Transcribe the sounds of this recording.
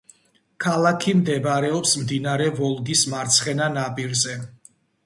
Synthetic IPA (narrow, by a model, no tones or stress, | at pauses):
kʰalˠakʰimd̪ɛbɾɛɔpsmd̪inaɾɛvɔlˠɡ̪ismaɾt̪sʰχɛnanapʼiɾzɛ